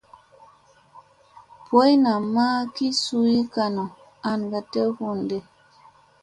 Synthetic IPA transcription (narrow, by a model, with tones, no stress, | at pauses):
pwo˦jna˨ma˦ki˦su˦i˦ka˨no˨ | a˨nɡa˨te˦hu˦nde˦